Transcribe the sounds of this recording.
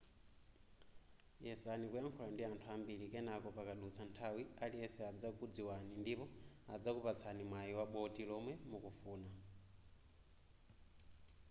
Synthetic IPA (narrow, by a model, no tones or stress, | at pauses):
jɛsanikujaŋkʰɔlandiantʰuambilikɛnakɔpakaɗut͡sʰantʰawialiɛsɛad͡zakud͡ziwanindipɔa̰d͡zakupat͡sʰanimwajiwaɓɔtilɔmwɛmukufuːna